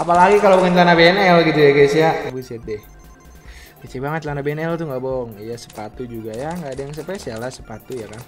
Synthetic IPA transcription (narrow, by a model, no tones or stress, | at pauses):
apalaɡikalobuant̪anabeɛnɛlɡit̪ujaɡasiabusat̪̚dɛ | kət͡ʃibaŋət̪̚tanabeɛnɛlt̪uŋɡabɔŋjasə̥pat̪ud͡ʒuɡajaŋɡaːdajaŋs̬əpɛsialasəpat̪ujakan